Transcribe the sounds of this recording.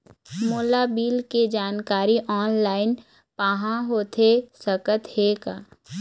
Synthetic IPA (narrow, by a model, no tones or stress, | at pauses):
moːlabiːlked͡ʒaːnkaːɾiʔɔːnlaːɪn | paːɦãɦoːt̪ʰesəkət̪hekaː